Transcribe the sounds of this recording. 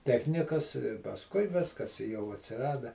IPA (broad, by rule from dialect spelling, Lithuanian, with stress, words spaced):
ˈtʲæːxʲnʲɪkɐs pɐsˈkʊɪ ˈʋʲɪskɐs ɪ jɛʊ ɐtʲsʲɪˈrɑːdɐ